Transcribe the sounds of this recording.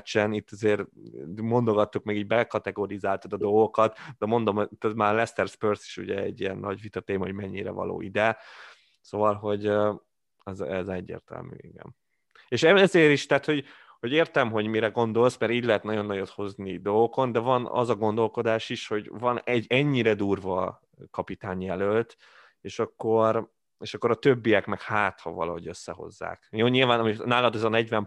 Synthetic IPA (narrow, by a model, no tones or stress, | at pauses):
t͡ʃɛnit̪ːɒzeːrmo̞nd̪o̞ɡɒt̪ːukmɛɡiːɟbɛlkɒt̪ɛɡoːɾizaːlt̪ɒd̪ɒd̪o̞lɡo̞kɒt̪d̪ɛmo̞nd̪o̞mot̪ːɛzmaːlɛst̪ɛrspørsi̥ʃṵɟɛ̰ɛ̰ɟːiɛ̰nːɒɟʋit̪ɒt̪eːmɒɦo̞ɟmɛɲːiɾɛ̰vɒ̰lo̰ːid̪ɛ | sovɒlɦo̞ɟø | ɛzɛzɛɟːḛːrt̪ɛ̰lmy̰ːɛ̰ŋɡɛ̰m | eːʃɛzeːɾiʃt̪aːt̪ho̞ɟ | ho̞ɟeːrt̪ɛmɦo̞ɟmiɾɛɡo̞nd̪o̞lsmɛɾiːɟlɛɦɛt̪nɒɟo̞nːɒjot̪ho̞znid̪o̞lɡoko̞nd̪ɛvɒnɒ̰zɒɡo̞nd̪o̞lko̞d̪aːʃiʃho̞ɟvɒnɛɟɛɲːiɾɛd̪uːrvɒ | kɒpit̪aːɲjɛlølt̪ | eːʃɒkːo̞r | eːʃɒkːo̞ɾɒt̪øbːijɛkmɛkhaːt̪hɒ̰vɒ̰lɒ̰ɦo̞ɟø̞sːɛ̰ɦo̞̰zːa̰ːkjoːɲilvaːnɒminaːlɒd̪ɛzɒnɛɟvɛm